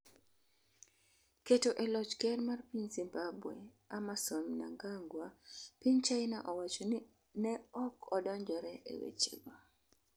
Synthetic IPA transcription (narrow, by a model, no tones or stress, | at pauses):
ketoʔɛlɔt͡ʃkɛrmarpiɲzimbabwɛ | amasɔnna̰ŋɡaŋɡwapiɲt͡ʃaɪna̰ʔɔwat͡ʃɔn | nɛɔkɔdɔɲd͡ʒɔɾɛʔḛwḛt͡ʃḛɡa